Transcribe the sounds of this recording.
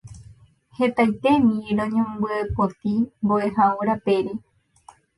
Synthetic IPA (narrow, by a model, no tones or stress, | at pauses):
he̞t̪ajt̪e̞mĩɾõɲõmbɨepot̪imboeɦaoɾape̞ɾi